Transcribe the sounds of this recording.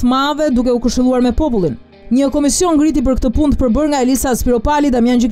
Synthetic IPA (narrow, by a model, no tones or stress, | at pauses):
mavɛd̪ukɛukəʃt̪ilˠuaɾmɛpɔpulˠin | ɲəkɔmisjɔnɡɾit̪̬ip̬əɾkt̪əpund̪̚pəɾbəɾŋɡaɛlisaspiɾɔpalid̪amjand͡ʒik